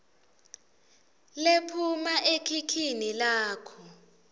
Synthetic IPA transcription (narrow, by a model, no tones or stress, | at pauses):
lepʰumaʔekʰikʰinilaːkʰɔ